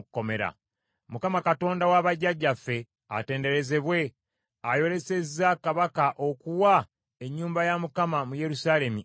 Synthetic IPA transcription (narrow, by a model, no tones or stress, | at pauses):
kːo̞me̞ɾa̰ | mukamakato̞ːndawaβaɟːaɟːafːe̞ | a̰te̞ːnde̞ɾe̞ze̞βwe̞ | ajo̞ɾe̞se̞zakaβakaʔo̞kuwa | e̞ɲːuːmbajamukamamuje̞ɾusaːle̞mi